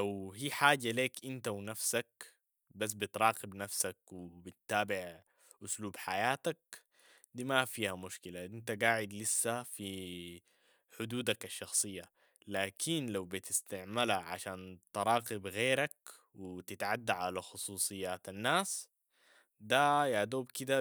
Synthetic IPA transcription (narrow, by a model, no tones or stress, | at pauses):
lawɦiːħaːd͡ʒaleːkʔɪnt̪awnafsak̚ | bas̬bɪt̪ɾˤɑːqɪbnafsakwɪbɪt̪ːaːbɪʕ | ʔʊsluːbħajaːt̪ak̚ | d̪iːmafiːhamʊʃkɪlaʔɪnt̪aɡaːʕɪd̪lɪsːafi | ħʊd̪uːd̪akaʃːɑxsˤɨjːa | laːkʰinlawbit̪ɪst̪aʕmalaʕa̰ʃaːnt̪ɾˤɑːqɪbɣeːɾak | wɪt̪ɪt̪ʕad̪ːaʕalaxʊsˤuːsˤɨjːaːt̪anːaːs | d̪ajad̪oːbkid̪a